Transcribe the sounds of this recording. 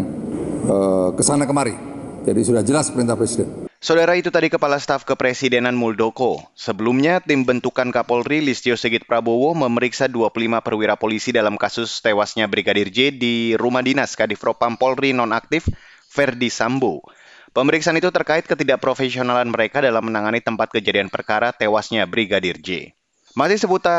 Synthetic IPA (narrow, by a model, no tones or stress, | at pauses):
ŋəkəsanakəmaɾid͡ʒadisudahd͡ʒəlaspəɾint̪ahpɾɛsidɛnsaodaɾait̪ut̪adikəpalast̪afkəpɾesidenanmuldokosəbəlumɲat̪ɪmbənt̪ukankapɔlrilist̪iosəɡɪt̪̚pɾabowoməməɾiksaduapulimapərwiɾapolisidalamkasʊst̪ewasɲabɾiɡadird͡ʒediɾumahdinaskadifɾopampɔlrinɔnak̚t̪ɪfː | ɛrdisambo | pəməɾiksaʔːnit̪ut̪ərkaɪt̪̚kət̪idaʔpɾofesionalanməɾekadalamːənaŋanit̪əmpat̪̚kəd͡ʒadianpərkaɾat̪ewasɲabɾiɡadird͡ʒḛ | masɪhsəbut̪a